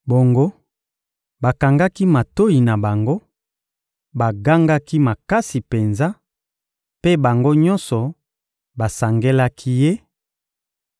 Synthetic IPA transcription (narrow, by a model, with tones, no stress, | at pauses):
bo˨ŋɡo˦ | ba˨ka˨ŋɡa˦ki˦ma˨to˦i˨na˨ba˨ŋɡo˦ | ba˨ɡa˦ŋɡa˦ki˦ma˨ka˦si˨pe˨nza˦ | pe˦ba˨ŋɡo˦ɲɔ̃˦nsɔ˨ | ba˨sa˨ŋɡe˦la˦kʰi˦je˦